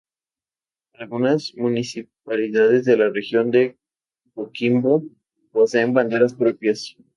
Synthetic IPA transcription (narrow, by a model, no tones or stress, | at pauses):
alɣunazmunisipaliðaðe̞zðe̞lare̞xjo̞nd̪e̞ | kokimbo | pose̞ːmband̪e̞ɾaspɾo̞pjas